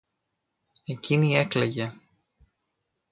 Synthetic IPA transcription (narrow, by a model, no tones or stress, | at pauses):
eciniekleʝe̞